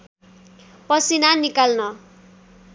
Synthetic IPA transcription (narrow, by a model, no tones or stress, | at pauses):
pʌsinanikalnʌ